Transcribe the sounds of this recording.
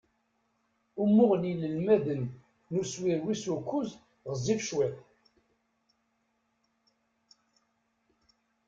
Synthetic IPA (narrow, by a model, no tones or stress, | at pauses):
umːʊʁəniləlmæðənː | uswiɾwisukːʊz | ʁəzːifʃwæθ